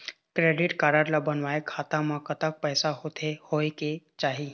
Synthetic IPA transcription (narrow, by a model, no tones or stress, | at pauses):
kɾeːɖɪʈkaːɾəɾlabənʋaːekʰaːt̪ãmãkət̪ək̚pɛːsaɦot̪ʰehoeket͡ʃaːɦiː